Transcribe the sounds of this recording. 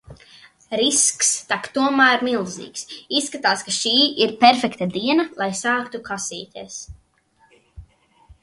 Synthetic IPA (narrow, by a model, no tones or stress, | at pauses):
ɾiskst̪akt̪uɔmæːɾmilˠzḭːksisːkat̪aːskaʃiːiɾpɛɾfɛkt̪ad̪iɛnalˠajsaːkt̪ukasiːt̪ʲiɛs